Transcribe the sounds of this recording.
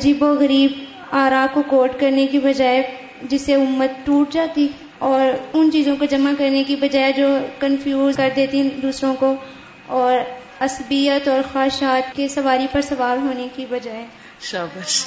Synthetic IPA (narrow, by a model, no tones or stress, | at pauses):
ɐd͡ʒiːboɣɐɾiːb | aːɾaːp̚kokoːɾʈkɐɾnekibɐd͡ʒaːe | d͡ʒɪseʊmːət̪̚ʈuːʈ̚d͡ʒaːt̪i | ɔːɾʊnt͡ʃiːzõkod͡ʒɐmakɐɾnekibɐd͡ʒaːed͡ʒoːkɐ̃nfʰjuːzkɐɾd̪eːt̪ĩd̪uːsɾõko | ɔːɾ | ɐsbijət̪ɔːɾxaːʃaːt̪kesɐʋaːɾipɐɾsɐʋaːlɦoːnekibɐd͡ʒaːeː | ʃ